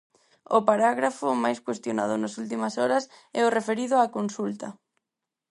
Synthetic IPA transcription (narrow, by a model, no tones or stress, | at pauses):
ʊpaɾaɣɾafʊmajskwest̪jona̰ðʊnasult̪imɐsɔɾɐsɛʊrefeɾiðʊaːkonsult̪ɐ̰